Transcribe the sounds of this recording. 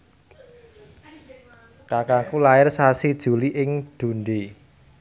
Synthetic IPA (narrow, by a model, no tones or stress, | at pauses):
kakakulaɪrsasid̥ʒ̥ṳliʔɪŋd̪̥ṳnɖe